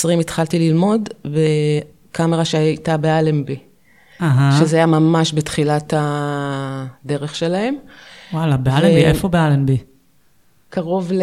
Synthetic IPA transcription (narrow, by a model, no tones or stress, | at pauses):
sʁimit̪χaltililmo̞dbe | kameʁaʃejtabealembi | aɦaʃezeajamamaʃbetχilata | de̞ʁeχʃe̞lahe̞mwalabealebiʔefobealenbi | kaʁo̞vl